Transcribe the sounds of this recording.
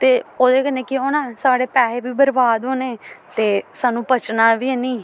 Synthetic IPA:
t̪eːoːd̪eːkənẽːkɪonãːsaːɽeːpɛːeːʋiːbəɾbaːd̪ɦoːneːt̪eːsaːnũːpət͡ʃnaːʋiːɛːnĩː

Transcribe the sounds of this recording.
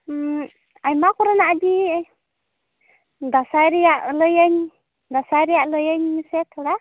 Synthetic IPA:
ajmakuɾanaʔdi | d̪asajɾijaʔləjaɲ | d̪asajɾijaʔləjaɲmisɛt̪ʰɔɽa

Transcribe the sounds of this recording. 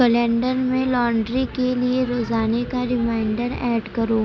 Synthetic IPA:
kəlɛ̃ːɳɖəɾmẽlɔːɳɖɾikelieɾoːzaːnekaɾɪmaːɪɳɖəɾɛːɖkɐɾoː

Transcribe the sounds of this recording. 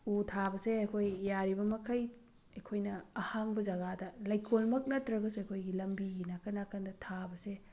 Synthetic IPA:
utʰabɐseɐjkʰojːaɾibɐmɐkʰɐj | ɐjkʰojnɐːhaŋbɐzɐɡadɐlɐjkʰolmɐk̚nɐtːɾɐɡɐsuɐjkʰojɡilɐmbiɡinakʰɐnakʰɐndɐtʰabɐse

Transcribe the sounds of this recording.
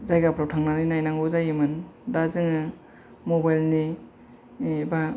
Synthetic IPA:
zajɡapʰɾawtʰaŋnaninajnaŋɡozajimɯndazɯŋɯ | mɔbajlni | ba

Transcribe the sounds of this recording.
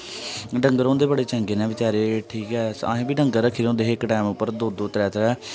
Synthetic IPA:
ɖə̃ŋɡəɾõːnd̪eːbəɽeːt͡ʃə̃ŋɡeːnɛ̃ːʋɪt͡ʃaːɾeːʈʰiːkɛːsã̰ːɦẽːbiːɖə̃ŋɡəɾəkʰiːɾõːd̪eːɦːkːʈɛːmʊpːəɾd̪oːd̪oːt̪ɾɛːt̪ʰɾɛː

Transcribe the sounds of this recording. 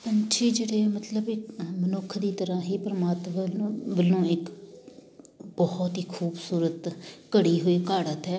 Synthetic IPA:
pənt͡ʃʰiːd͡ʒeːɽeːmət̪ləbɪkmənʊkʰːd̪iːt̪əɾãːɦiːpəɾəmaːt̪maʋəlːõːɪk | bɔːɔt̪ɦiːkʰuːbsuːɾət̪kəɽiːɦʊiːkaːɽət̪ɦɛː

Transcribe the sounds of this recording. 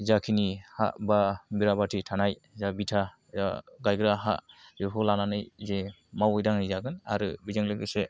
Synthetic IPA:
zakʰiniha̰ʔbabiɾabatʰitʰanaj | zabitʰa | aɡajɡɾaɦa̰ʔbipʰɔlananɯjze | mawɯjdaŋnizaɡɯna̰ɾɯbizɯŋlɯɡɯse

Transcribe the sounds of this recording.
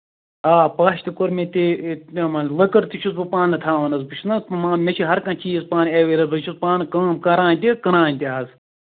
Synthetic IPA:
aːpaːʃt̪ikoɾmet̪imɐnlɐkɐɾt̪it͡ʃʰusbɨpaːnɐt̪ʰaːʋɐnɐzbɨt͡ʃʰnɐsmãːmet͡ʃʰiɦɐɾkɐ̃nt͡ʃiːzpaːneʋeɾɐzbɐt͡ʃʰuspaːnɨkɐmkɐɾãːnʲt̪ʲikɐɾãːnʲt̪ʲiaːz

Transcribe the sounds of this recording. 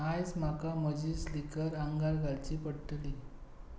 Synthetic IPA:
ajsm̤akaməd͡ʑiːslikəɾaŋɡaɾɡalt͡ɕiːpəɽʈli

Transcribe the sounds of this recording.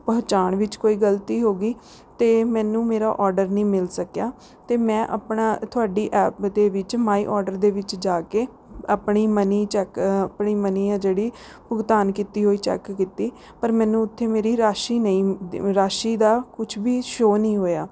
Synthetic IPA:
pəɦt͡ʃaːnʋɪt͡ʃkoːiːɡəlt̪iːɦoːɡiː | t̪eːmɛ̃ːnũːmeːɾa̰ːʔɔːɾɖəɾnĩːmɪlsəkjaː | t̪eːmɛ̃ːʔəpɳaːt̪ʰʊaːɖiːʔɛːpd̪eːʋɪt͡ʃmaːḭːʔɔːɾɖəɾd̪eːʋɪt͡ʃd͡ʒaːkeː | əpɳiːməniːt͡ʃɛːkpɳiːməniːãd͡ʒeːɽiː | bʊɡt̪aːnkit̪iːɦoːiːt͡ʃɛ̰ːkːit̪iː | pəɾmɛ̃ːnũːʊt̪ʰːeːmeːɾiːɾaːʃiːnəĩːɾaːʃiːd̪aːkʊt͡ʃʰbiːʃoːnĩːɦoːjaː

